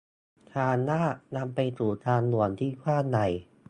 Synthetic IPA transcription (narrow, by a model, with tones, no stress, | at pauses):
t̪ʰaː˧nːaː˥˩na˧mpa˧jsuː˨˩t̪ʰaː˧nlu˨˩ənt̪ʰiː˥˩kʰwaː˥˩nːa˨˩j